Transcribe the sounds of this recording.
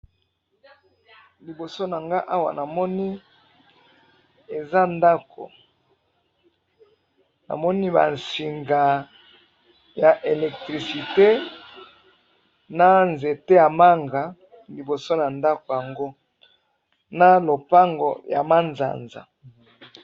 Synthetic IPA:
li˨bo˨so˦na˨ŋɡa˦ʔa˦wa̰˨na˨mɔ˦ni˦ | e˨za˦nda˦kʰo̰˨ | na̰˨mɔ˦ni˦ba̰˨nsi˨ŋɡa˨ | ja˨ʔe˨lɛ˨k̚tʁi˨si˨te˦ | na˦nze˨te˦ja˨ma˦ŋɡa˨ | li˨bo˨so˦na˨nda˦ko˨ja˨ŋɡo˦ | na˦lo˨pa˦ŋɡo̰˨ja̰˨ma˦nza̰˨nza̰˨

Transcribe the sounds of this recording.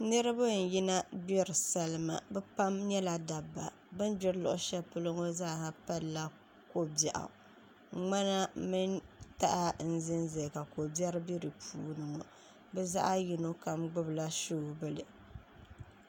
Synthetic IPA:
nɨ˦ɾɨ˦ba˦˨n̩˨ji˦na˦bɛ˦ɾɨ˨sa˦lɨ˦ma̰˨bɛ˦pa˦mɲɛ˦la˨da˨bːa̰˨ | bɨ˦nd͡ʒɪ˦ɾlʊ̰˨ʔʊ̰˦ʃɛ˦pɨ˦lo˦ŋo˦zaː˦˨ha˨pa˦lla˦ | ko˦bjɛ˨ʔa̰˨ | ŋ͡ma˦na˦mɨ˦nta˦ʔa˦n̩˦zɪ˦nze˨ka˨ko˨bɛ˦ɾbi˦ɾɨ˨pʰṵː˦nɨ˨ŋɔ˨ | bɛ˦za̰˦ʔa˦ji˨no˦ka˨mɡ͡bʊ˦bla˦ʃo˦˨bɨ˦lɨ˨

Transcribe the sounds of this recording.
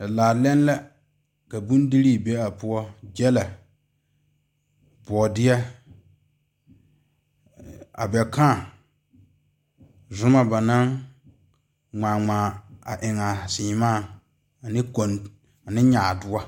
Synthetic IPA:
a˨laː˨˦lɛ˦n˦la˦ | ka˨bu˦ndi˦ɾiː˦˨be˦a˨pʊ˦ɔ˦d͡ʒɛ˦la˨ | bɔ˨dɪ˦ɛ˦ | a̰˨bɛ˨kʰã˦˨ | zʊ˦ma˨ba˨na˦ŋ | ŋ͡maː˨ŋ͡maː˨a˨ʔɪ˨ŋa˨siː˨maː˦˨ | nɪ˦ko˨n | a˨nɪ˦ɲa˨dʊ˦a˦

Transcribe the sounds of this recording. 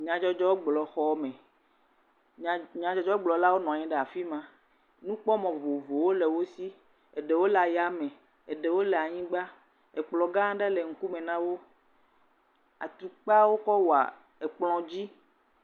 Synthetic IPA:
ɲã˨d͡ʒɔ˦d͡ʒɔ˦wo˦ɡ͡blɔ˨xɔ˦mɛ̃˨ | ɲã˨d͡ʒɔ˨d͡ʒɔ˦o˦ɡ͡blɔ˨la˦wo˦nɔ̃˨a˨ɲĩ˦ɖɛ˨a˨fi˦mã˨ | nũ˦k͡pɔ˦mɔ̃˨vo˨vo˨wo˦le˨wo˦si˦ | e˨ɖe˨wo˦la˨ja˦mẽ˨ | e˨ɖe˨wo˦lɛ˨a˨ɲĩ˦ɡ͡ba˦ | e˨k͡plɔ˨ɡã˦ɖe˦le˨ŋ̩˦ku˦mẽ˨nã˦wo˦ | a̰˨t̪u˨k͡pa˦wo˦kɔ˦wo˨a̰˨ | e˨k͡plɔ̃˨d͡ʑi˦

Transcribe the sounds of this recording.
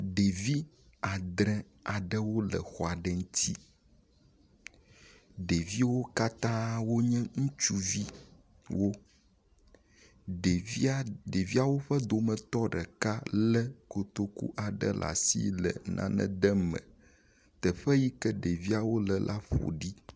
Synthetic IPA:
ɖe˨vi˦ | a˨d̪ɾɛ̃˦ | a˨ɖə˦wo˦lə̰˨xɔ˨a˨ɖɛ˦ŋ̩˦t̪ʰi˦ | ɖe˨vi˦wo˦ka˦t̪ã˦wo˦ɲɛ̃˦ŋũ˦t͡ʃu˦vi˦ | wo˦ | ɖde˨vi˦a˨wo˦ɸə˦d̪o˨mə̃˨t̪ɔ˦ɖə˨ka˦lə˦ko˨t̪o˦kṵ˦ʔa˨ɖə̰˦lʔa̰˨sḭ˦lə̰˨nʔã̰˦nɛ̰̃˦d̪ə˦mɛ̰̃˨ | t̪ə˨ɸɛ˦ji˦kɛ˦ɖe˨vi˦a˨wo˦lə˨lʔa˦ɸo̰˨ɖi˦

